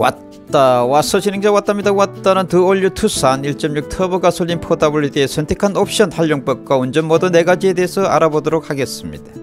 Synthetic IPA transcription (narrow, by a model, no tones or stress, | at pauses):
wa̰t | t͈awas͈ʰʌɕʰinɯŋɡd͡ʑawat͈amɲidaɡowat̚t͈anɯntɯoʎːutʰus͈aniɭt͡ɕ͈ʌmɲuk̚tʰʌbɯɡasʰoʎːinpʰodabuɭːideesʰʌntʰe̞kʰanop̚ʰɕ͈ʌntʰaʎːoŋp͈ʌk̚k͈waond͡ʑʌnmʌdɯne̞ɡad͡ʑie̞de̞ɦesʰʌa̰ɾabodoɾok̚haɡe̞s͈ɯmɲḭd̥ḁ